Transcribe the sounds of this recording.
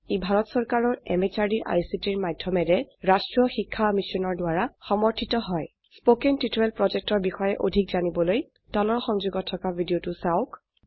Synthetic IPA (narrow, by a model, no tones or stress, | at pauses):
ebʱaɹɔtsɔɹkaɹɔɹɛ̰met͡ʃaɹdiɹʔa̰jsitiɹmadʱjɔmɛɹɛɹastɹɔxikʰːamisɔnɔɹdʊaɹaxɔmɔɹtʰitɔɦɔj | spokɛntitoɛlpɹɔzɛk̚tɔɹbixɔjɛʔodʱik̚zanibɔloj | tɔlɔɹxɔŋzuɡɔtʰːɔkabʱidiotʊsaʊk